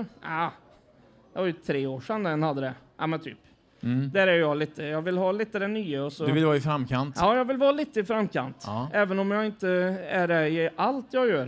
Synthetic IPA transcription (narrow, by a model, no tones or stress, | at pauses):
aː | j̪ɑvɑɾjɵt̪ʰɾeːoːʂɛnd̪ɛnhad̪ːəd̪ɛʔa̰mɛnt̪ʰy̰ːp | d̪æːɾæɾjjɑːɡliːt̪əjɑːɡvɪlɦɑːliːt̪əd̪ɛnyːəɔsɔd̪ɵvɪlvɑːɪfɾamːkʰant̪jɑːjɑːɡvɪlvɑːliːt̪əɪfɾamːkʰa̰nt̪ːʔɛːvənɔmjɑɡɪnt̪əæɖɛɪʔalt̪jɑɡjœːɾ